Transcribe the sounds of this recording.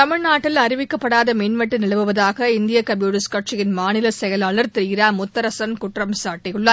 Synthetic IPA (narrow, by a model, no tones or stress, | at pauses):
t̪ɐmɪɻnaːʈːɪlɐɾɪʋɪkːɐpːɐɽaːðɐmiːnmɐʈːɯnɪɭɐʋɯʋɐðaːɣɐɪnd̪ɪjɐkɐmjuːɽɪskɐʈ̚t͡ʃɪjɪnmaːnɪlɐsɛjɐlaːɭɐɾt̪ɛɾɪɣɪɾaːmʊt̪ːɐɾɐsɐnkʊʈrɐmsaːʈːɪjɯɭːɐ